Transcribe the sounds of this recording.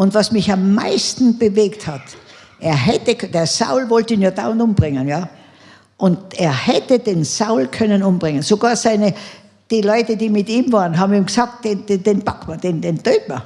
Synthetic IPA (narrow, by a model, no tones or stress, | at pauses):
ʔʊntvɑsmɪçamːa̰ɪstn̩b̥əveːkthat | ʔeːɐɦɛtəkʰd̥eːɐsa̰ʊlvɔltəiːnjaːdaːʊntʊmb̥ʁɪŋənjaː | ʔʊndeːɐhɛtədeːnsaʊlkʰœnənʊmbʁɪŋənsoɡaːɐsaɪnə | d̥iːlɔʏtədiːmɪtiːmvaːʁənɦɑːbm̩iːmɡ̥saːk̚t̚d̥end̥ed̥enpakmɐd̥eːndend̥øːtmɐ